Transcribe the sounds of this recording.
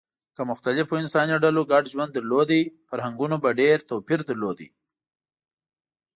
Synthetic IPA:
kəmʊxt̪alɪfoɪnsɑniɖaloɡaɖʒwand̪ːəɾlod̪ifaɾhaŋɡunobaɖeɾt̪owpiɾd̪əɾlod̪ḭ

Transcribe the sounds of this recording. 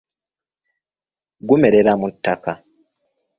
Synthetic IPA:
ɡume̞ɾeɾamutːaka

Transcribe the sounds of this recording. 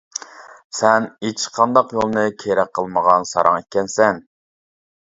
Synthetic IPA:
sɛnet͡ʃʰqʰɑnd̪ɑqjolˠnɨkʲʰeɾɛq̚qʰːəlˠməʁɑnsɑ̰ɾʔɑ̰ŋekʲːɛnsɛn

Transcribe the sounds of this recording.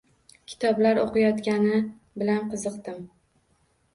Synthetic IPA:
kʲʰɪ̥t̪ʰɒblaɾoqɨjɒt̪kʲanɪ | bɪlanqʰɨzɨqt̪ɪm

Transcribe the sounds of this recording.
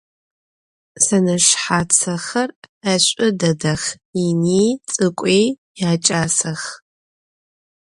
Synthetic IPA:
sɐnɐʃħat͡sʰɐχɐrɐɕʷʼʊdɐdɐχ | init͡sʼɨkʷʼej | jaːt͡ʃʼaːsɐχ

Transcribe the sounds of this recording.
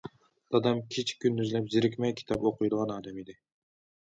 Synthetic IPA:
d̪ɑd̪ɛmkʲʰet͡ʃʰkʲʰynːyzlɛpzɪɾɪkʲmɛjkʲʰi̥t̪ʰɑpoqʰʊjd̪əʁɑnɑːd̪ɛmid̪ɪ

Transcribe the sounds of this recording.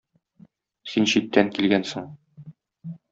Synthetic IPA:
sinɕit̪ːæŋkilɡænsɤɴ

